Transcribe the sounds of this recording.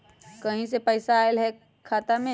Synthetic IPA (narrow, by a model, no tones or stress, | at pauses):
kɐɦĩs̬epəɪsaːɪlɦɛ | kʰːaːt̪amẽ